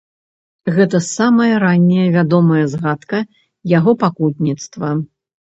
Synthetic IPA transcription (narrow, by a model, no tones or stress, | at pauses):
ɣɛt̪ɐsamɐjɐɾanʲːɛjɐvʲad̪ɔmɐjɐzɣat̪kɐ | jaɣɔpakut̪̚ʲnʲit̪st̪vɐ